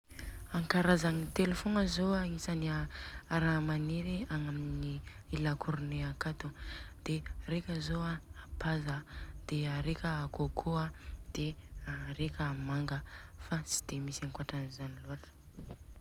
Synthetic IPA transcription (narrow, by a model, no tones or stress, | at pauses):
aŋkaɾazaŋit̪elefonəzoaisaniaaɾamaneɾiaŋaminni | ilakʰuɾneakat̪ud̪̥eɾekʲəzoaapazəd̪̥eaɾekʲəːkokʰoad̪̥eaɾekʲəmaŋɡəfat͡si̥d̪̥emisaŋkwaʈ͡ʂanizaniloaʈ͡ʂə̥